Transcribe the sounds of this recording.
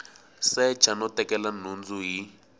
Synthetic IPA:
sɛ̥t͡ʃʰanɔtʼɛkɛlanund͡zuɦi

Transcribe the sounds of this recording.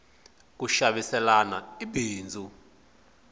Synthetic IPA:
k̬uʃaɓisɛlana̰ibiːnd͡zʱu

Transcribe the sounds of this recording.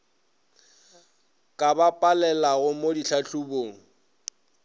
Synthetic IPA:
kʼabapʼalɛlaɣʊmodiɬʰaɬuboːŋ̩

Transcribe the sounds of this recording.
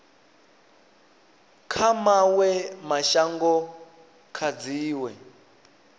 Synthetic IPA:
kʰamawɛmaʃaŋɡɔ | kʰad͡ziːwɛ

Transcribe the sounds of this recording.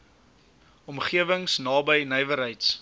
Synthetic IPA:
ɔmχiəvəŋsnɑːbəjnəjvəɾɦəjts

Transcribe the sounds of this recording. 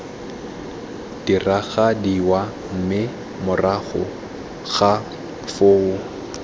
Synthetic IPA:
d̥iraɣadiwa | m̩mɪ | mʊraχʊ̰ | ɣa | foːʊ

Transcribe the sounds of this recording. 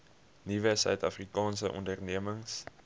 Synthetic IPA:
nivəsœ̰ɥtɐfrikɑːnsəʔɔ̰ndərniəməŋs

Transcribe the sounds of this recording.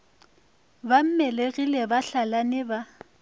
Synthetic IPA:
bam̩mɛleɣilɛbaɬalanɪba

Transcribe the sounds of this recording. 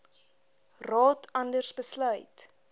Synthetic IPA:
rɑːtʰɐndərsbəslœɥt

